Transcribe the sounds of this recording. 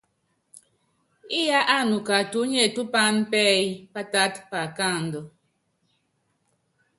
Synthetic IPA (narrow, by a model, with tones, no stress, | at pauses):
i˦ja˦ʔa˦˨nu˨ka˨tu˨˦ɲɛ˦˨tu˦pa˦n˦pɛ˦i˦pa˦ta˦tpa˨ka˦˨n̩˨dɔ˨